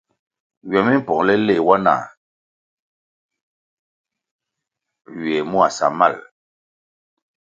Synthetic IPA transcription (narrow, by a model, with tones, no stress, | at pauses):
ɥɛ˨mi˦m˦pɔ˨ŋlɛ˦le˦˨wa˦na̰ː˨ | ɥɥɛ˨mu˦a˨sa̰˨ma̰˦˨l